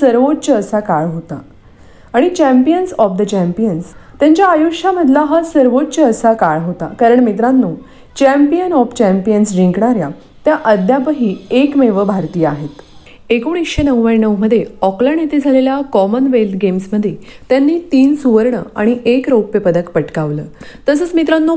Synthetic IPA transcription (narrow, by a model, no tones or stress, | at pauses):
səɾʋott͡ɕəːsakaɭɦot̪a̰ | aɽ̃it͡ɕæ̃mpijənsɔfd̪ət͡ɕæmpijənst̪jaɲt͡ɕjaːjuʂaməd̪ʱlaɦasəɾʋotːt͡ɕəːsakaɭɦot̪a̰kaɾəɳmit̪̬ɾãnːuː | t͡ɕæmpijənɔft͡ɕæmpijənsɾiŋkɳaɾja | t̪jaʔəd̪ʱjapəɦiːekmeʋəbʱaɾt̪iːaɦet̪ | ekuɳ̃ikɕenəʋʋanəwməd̪ʱːjeɔklaɳet̪ed͡zʱaleljakɔmənʋelt̪ɡemsməd̪ʱːjet̪janːiːt̪iːnsuʋəɾɳəa̰ɽ̃iʔekɾowpjəpəd̪əkpəʈkaʋləːt̪əs̬əːt͡smit̪ɾanːuː